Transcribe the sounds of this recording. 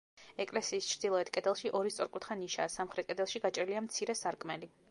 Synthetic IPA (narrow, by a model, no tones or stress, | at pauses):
ɛkʼlɛsiːst͡ʃʰɾd̪ilˠɔɛt̪ʰkʼɛd̪ɛlˠʃiʔɔɾist̪sʼɔɾkʼut̪χaniʃaːsamχɾɛt̪̚kʼɛd̪ɛlˠʃiɡat͡ʃʼɾiliamt̪sʰiɾɛsaɾkʼmɛli